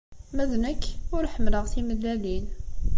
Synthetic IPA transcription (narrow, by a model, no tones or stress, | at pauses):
mæðnəkːʊɾħəmləʁsiməd̪ælin